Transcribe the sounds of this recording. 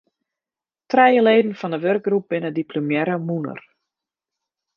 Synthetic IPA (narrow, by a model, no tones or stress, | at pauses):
trɛjəleːdn̩fɔndəʋørk̚ɡrup̚b̥ɪnədiplomjɛɾəmunə̰r